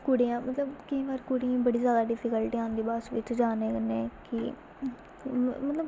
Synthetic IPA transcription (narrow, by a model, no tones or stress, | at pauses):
kuɽijãːmət̪ləbkɪĩːʋaːɾkuɽiãːbəɽiːzjaːd̪aːɖɪfɪkəlʈiãːnd̪iːbaːsʋɪt͡ʃd͡ʒaːneːkəneːkɪ | mət̪ləb